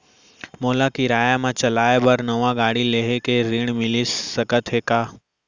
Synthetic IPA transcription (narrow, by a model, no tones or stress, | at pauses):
moːlakiɾaːjamãt͡ʃɐlaːebəɾnəʋãɡaːɽileɦekeɾɪɳ̃mɪlisəkət̪ɦeːkaː